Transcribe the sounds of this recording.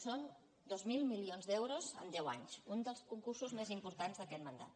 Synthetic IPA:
son | d̪ozmilˠmilionzd̪ɛwɾozə̰nd̪ɛwa̰ɲsund̪əlˠskuŋkursuzmezimpuɾt̪anzðəkɛt̪mənd̪a̰t̪

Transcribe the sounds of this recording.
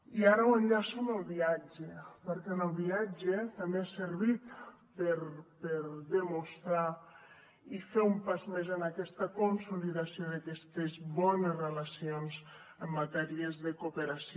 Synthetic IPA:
iaɾəwənʎasoməlˠβiad͡ʒepəɾkɛnəlˠβiad͡ʒet̪ambeasəɾβit̪ | pəɾpəɾðəmust̪ɾa | ifeumpazmezənakɛst̪əkonsuliðasioðakɛst̪ezβɔnezrelasionzəmːat̪ɛɾiəzðəkupəɾas

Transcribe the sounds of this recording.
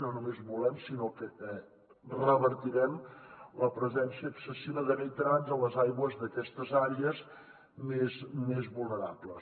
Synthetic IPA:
nonumezβulɛmsinokəɛ | rəβəɾt̪iɾɛmləpɾəzɛnsiəːksəsiβəðəβəjt̪ɾanzələzajɣwəzðəkɛst̪əzaɾeəz | mezmezβulˠnəɾapləs

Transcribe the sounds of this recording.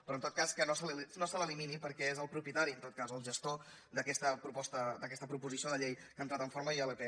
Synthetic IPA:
pɾɔnt̪ot̪̚kaskənosəllnosələliminipəɾkɛezəlˠpɾupjət̪aɾiənt̪ot̪̚kazəlˠʒəst̪o | d̪əkɛst̪əpɾupɔst̪əd̪əkɛst̪əpɾupuzisioðəʎejkənt̪ɾat̪ə̃ɱfoɾməiələpe

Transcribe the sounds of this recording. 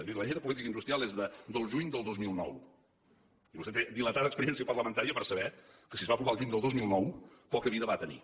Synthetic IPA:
miɾələʎeɾəpulit̪̬ikəind̪ust̪ɾialˠezðəd̪əlˠʒuɲd̪əlˠd̪ɔzmilˠnɔ̰w | iβusɛt̪ed̪ilət̪aðəkspəɾiɛnsiəpərləmənt̪aɾiəpəɾsəβɛkəsizβapɾuβalˠʒuɲd̪əlˠdozmilˠnɔwpɔkəβiðəβat̪ənḭ

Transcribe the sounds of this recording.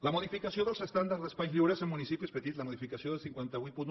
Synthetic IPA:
lamoðifikasjo̞nd̪elsest̪and̪aɾðespaluɾesenmũnisipjospet̪it̪lamoðifikasjond̪elsiŋkwent̪awipun

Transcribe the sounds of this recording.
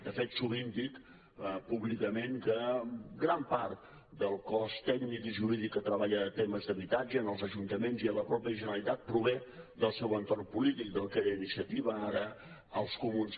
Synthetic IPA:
d̪əfet̪suβimpik | puβlikəmeŋkəɡɾampart̪ | d̪əlˠkɔst̪ɛɡnikiʒuɾiðikːət̪ɾəβaʎəːt̪eməzd̪əβit̪ad͡ʒəːnəlˠzəʒunt̪əmenziələpɾɔpjəʒənəlit̪at̪̚pɾuβɛd̪əlˠsɛwənt̪ormpulit̪ik̚d̪əlˠkeɾəinisiət̪iβəaɾə | əlˠskumuns

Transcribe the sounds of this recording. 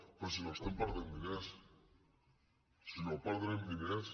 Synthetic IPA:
pes̬inost̪empaɾðembines | silopaɾðembines

